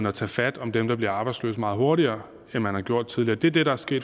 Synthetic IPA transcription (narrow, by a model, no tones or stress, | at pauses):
n̩ɒt͡sʰɛːfæd̥ɒ̽md̥emd̥ɑ̈b̥liɐɑ̈ːb̥ɑ̈ɪdslø̰ːsmɑ̈ːð̞̩ˠho̝ɐɾiɐː | enmænhɑ̈ɡjo̝ɐ̰d̥̚t͡sʰiðˠliɐːd̥eæɐd̥e̝ɾ̥ɑ̈æɐsɡ̥e̝̰ːd